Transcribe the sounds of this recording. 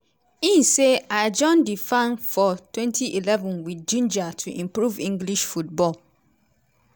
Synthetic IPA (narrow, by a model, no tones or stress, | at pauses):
ĩnseaɪd͡ʒɔ̃ndifãnfɔtʰwɛ̃ntʰiʔilɛvɔ̃nwid͡ʒũnd͡ʒatʰuʔĩmpɹuvĩŋɡliʃfut̚bɔl